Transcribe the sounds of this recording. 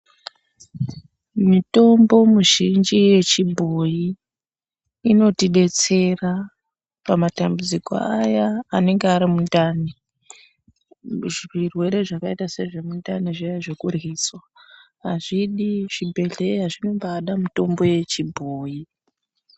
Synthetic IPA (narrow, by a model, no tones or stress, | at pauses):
mito̞mbo̞muʒind͡ʒije̞t͡ʃibʱo̞ji | no̞tiɗe̞t͡se̞ra | pamatambud͡ziko̰ajaːne̞ŋɡeaɾimundani | ʐirwe̞ɾe̞ʐakaitase̞ʐe̞mundaniʐijaʐe̞kurɣiːswa | ɦaʐiɗiʐ̥ibʱe̞ɮe̞ɦaʐino̞mbaːɗamito̞mbo̞je̞t͡ʃibʱoːji